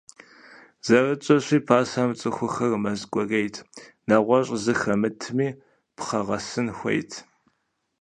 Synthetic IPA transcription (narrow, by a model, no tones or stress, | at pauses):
z̥ɐrɨt͡ʃʼɐɕʷiːpʰaːsaːmt͡sʼɨxʷʊxɐrmɐzkʷʼɔɣejtʰ | nɐʁʷɔɕʼzɨxɐmɨtʰmiː | pχɐʁɐsɨnxʷɐ̰jtʰ